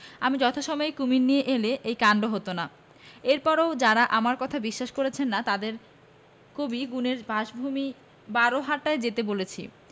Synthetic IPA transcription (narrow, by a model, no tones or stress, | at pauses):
amid͡ʑɔt̪ʰoʃɔmɔekuminnːijeʔeleʔejkaɳɖoɦot̪ona | eɾpɔɾod͡ʑaɾaʔamaɾkɔt̪ʰabiʃːaʃkoɾet͡ɕʰenːat̪ad̪eɾ | kobiɡuneɾbʱaʃbʱumi | baɾoɦaɾʈaed͡ʑet̪ebolet͡ɕʰḭ